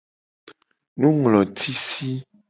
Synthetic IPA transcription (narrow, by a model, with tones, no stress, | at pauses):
nũ˦ŋlɔ̃˨t̪ʰi˦si˦